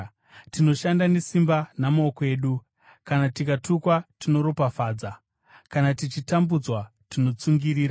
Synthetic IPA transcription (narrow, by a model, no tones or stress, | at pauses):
tino̞ʃandane̞simbanamaokoe̞ːɗu | kanatikatukwatino̞ɾo̞pafaːd͡za | kanatit͡ʃitambud͡zwa | tino̞t͡suŋɡiɾiːɾa